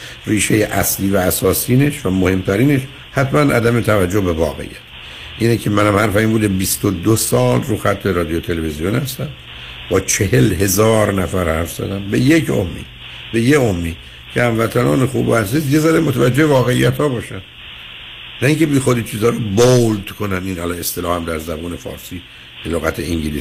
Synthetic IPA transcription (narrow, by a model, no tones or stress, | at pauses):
riːʃe̞jeʔæ̰sliːvæːsɒːsiːne̞ʃvæmohe̞mt̪ʰæɾiːne̞ʃ | hæt̪mænʔæ̰d̪æme̞t̪ʰævæd͡ʒːobe̞vɒ̰ːɣḛḭjæt̪ʰ | ʔiːnecʰemænæmhæɾfæimbuːd̪ebist̪od̪osɒːlruːxæt̪ʰːbe̞ɾɒːd̪ijot̪ʰe̞levezijonhæst̪æm | bɒːt͡ʃʰe̞helhe̞zɒːɾnæfæɾhæɾfz̥æ̰d̪æmbe̞jekʰo̰mːḭː | be̞jeomːi | cʰeæmvæt̪ʰænɒ̰ːnexṵːbæzszizje̞zæd̪emot̪ʰævæd͡ʒːehevɒːɣe̞ḭjːæt̪hɒːbɒːʃænd̪ | næiŋcʰe̞biːxod̪it͡ʃʰiːzɒːɾobold̪kʰonæninælɒne̞st̪elɒːhæmd̪æɾzæbuːne̞fɒ̰ːɾsiː | b̥eloɣæt̪ʰeiŋɟiliːs